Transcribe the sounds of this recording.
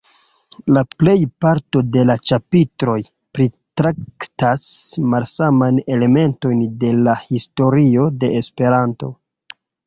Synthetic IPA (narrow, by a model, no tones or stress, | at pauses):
laple̞jpaɾto̞de̞lat͡ʃapitɾo̞j | pɾitɾaktasmalsamajne̞le̞me̞nto̞jnde̞lahisto̞ɾio̞de̞espe̞ɾanto̞̰